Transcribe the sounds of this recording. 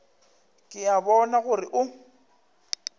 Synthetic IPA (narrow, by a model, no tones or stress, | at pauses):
kʼɪjabɔnaɣʊrɪʔʊ